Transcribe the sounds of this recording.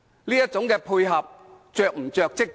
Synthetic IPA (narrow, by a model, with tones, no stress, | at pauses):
liː˥jɐ˥t̚t͡sʊ˨˥ŋkɛː˧pʰuː˧jɦɐ˨p̚t͡ʃœː˨k̚m̩˨˩t͡sœː˨˧k̚t͡sɪ˥k̚